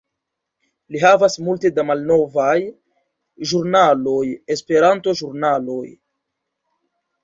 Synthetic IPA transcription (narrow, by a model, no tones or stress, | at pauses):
liɦavasmulte̞damalno̞vaj | ʒuɾnalo̞je̞spe̞ɾanto̞ʒuɾnalo̞j